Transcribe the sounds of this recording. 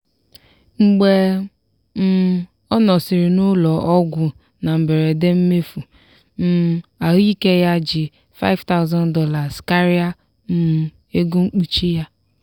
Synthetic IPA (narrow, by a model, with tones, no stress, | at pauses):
ŋ͡m̩˨ɡ͡be˨ | m̩˦˨˦ | ɔ˦nɔ˨sɪ˨ɾɪ˨nʊ˦lɔ˨ʔɔ˦ɡʷʊ˨ | na˨m̩˨be˨ɾe˨de˦m̩˦me˦fu˨ | m̩˦˨˦a˨ɦi˦ke˦ja˦d͡ʒɪ˨ | fa̰˦ɪ˦vta˦ʊ˦zɔ̃˦n˦dɔ˦la˨ska˦ɾi˦a˦ | m̩˦m̩˨ | e˦ɡu˦ŋ͡m̩˦k͡pu˦t͡ʃi˦ja˦